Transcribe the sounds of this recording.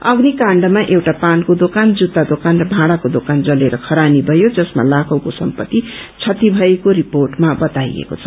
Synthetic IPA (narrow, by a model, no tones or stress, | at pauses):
ʌɡnikãɳɖʌmaʔewʈapankod̪okand͡zut̪ːad̪okanrʌbʱãɽakod̪okand͡zʌleɾʌkʰʌɾanibʱʌjod͡zʌsma̰lakʰʌwkosʌmpʌt̪ːit͡sʰʌt̪ibʱʌekoɾiporʈmabʌt̪aj̰ḛko̰t͡sʰʌ̥